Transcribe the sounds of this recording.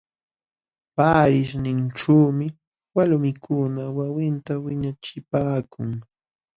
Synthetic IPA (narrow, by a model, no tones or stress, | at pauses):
paːɾɪʃnɪnʈ͡ʂuːmɪ | walmɪkʰʊnawawɪnt̪awɪɲat͡ʃɪpaːkʊŋ